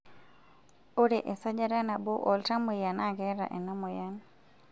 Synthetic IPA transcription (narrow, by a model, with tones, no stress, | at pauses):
o˦ɾe˨ʔe˨sa˦d͡ʒa˦ɾa˦na˨bo˦ʔɔ˨lta˦mo˨ja˨na˦˨ɡɛ˦ɾa̰˨ʔɛ˨na˦mo˨ja˦n